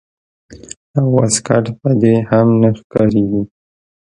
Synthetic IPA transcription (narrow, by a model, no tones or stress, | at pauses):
awaskaʈpəd̪ehamnaxkɑɾeɡi